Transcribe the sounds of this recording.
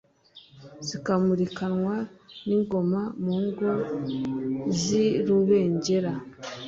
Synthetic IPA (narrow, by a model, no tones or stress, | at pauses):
z̥ikamuɾikanwaniŋɡo̞mamuːŋɡo | ziɾuβe̞ːɲɟe̞ɾa